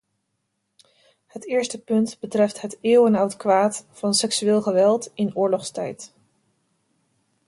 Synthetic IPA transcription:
hətɪːɹstəpɵntbətrɛftɦəteːwənɔwtkʋaːtfɑnsɛksyɪːlˠχəʋɛlˠtɪnʊːɹlɔχstɛ̰jt

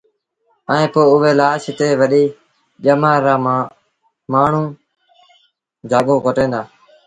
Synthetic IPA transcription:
əẽːpoːʊʋeːlaːʃt̪eːʋəɗiː | ʄəmaːɾaː | maːɳ̤ũː | d͡ʒaːɠõːkoʈẽːnd̪aː

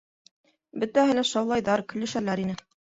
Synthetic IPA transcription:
bɵ̆t̪æhɘlæʃɑwlˠɑjðɑɾkɵ̆lɘ̆ʃælæɾinɘ

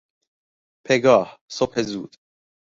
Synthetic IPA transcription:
pʰeɡɒːhsophezuːd̪̥

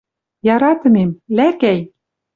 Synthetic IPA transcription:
jɑɾɑt̪ɤ̆memlækæj

